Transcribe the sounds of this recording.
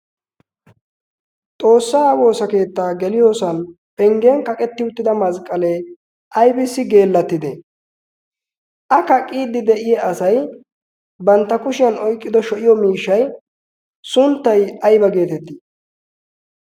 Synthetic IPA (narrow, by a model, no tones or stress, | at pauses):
t̪ʼo̞ːsːaːwo̞ːsɐke̞ːt̪ːaːɡɛlɪjo̞ːsɐn | pɛŋɡenkɐkʼɛt̪ːɪʊt̪ːɪd̪ɐmɐzkʼːɐle | ʔɐjbɪsːɪɡe̞ːlːɐt̪ːɪd̪ḛ | ʔɐkɐkʼːiːd̪ɪd̪ɛʔɪjɛɐsɐj | bɐnt̪ːɐkʊʃɪjɐnɔjkʼːɪd̪ɔʃɔʔɪjɔmiːʃːɐj | sʊnt̪ːɐjɐjbɐɡe̞ːt̪ɛt̪ːɪ